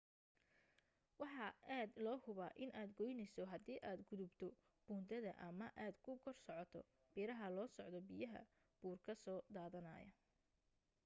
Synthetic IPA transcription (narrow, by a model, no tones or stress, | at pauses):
wɑħɑaːd̪lɔːhʊβaːʔɪnʔaːd̪ɡɔjnɛjsɔɦɐd̪iːʔaːd̪ɡʊðʊbt̪ʰɔ | b̥uːnt̪d̪ʰɐðɐʔɐmɐʔaːd̪kʰʊɡʰɔrsɔʕɔt̪ʰɔ̰ | b̥iːɾɐɦɐlɔːsɔʕd̪ɔbɪjɐɦɐ̰ | b̥uːrkʰɐsɔːd̪aːðɐnɐ̰ːjɐ̰